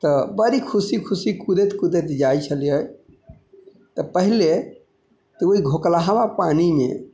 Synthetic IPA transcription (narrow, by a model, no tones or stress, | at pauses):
t̪əbəɾikʰusikʰusikud̪et̪kud̪et̪d͡ʒajt͡ʃʰəljə | t̪əpəɦile | t̪əuiɡʱoklaɦabapanimḛ